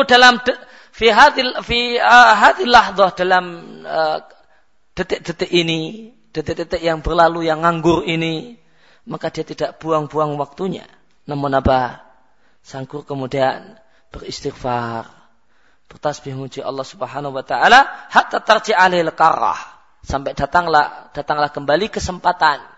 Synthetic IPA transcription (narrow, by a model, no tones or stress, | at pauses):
dalamdə | fiɦaðfiəɦaðilːahðˤɑhdalamə | d̥ət̪ɪʔ̚d̥ət̪ɪʔini | d̥ət̪ɛʔ̚dət̪ɪʔjaŋbərlalujaŋaŋɡʊrini | makadiat̪idaʔb̥uaŋbuaŋwak̚t̪uɲa̰ | namʊnaba | saŋɡʊrkəmudian | b̥ərist̪iχfar | b̥ərt̪asbɪhŋut͡ʃiʔɑ̰lːɑhsubəɦanaɦuwat̪aʔalahaʔt̪at̪ard͡ʒiʔalehləkaɾa̰h | sampɛʔdat̪aŋlad̥at̪aŋlahkəmbalikəsəmpat̪an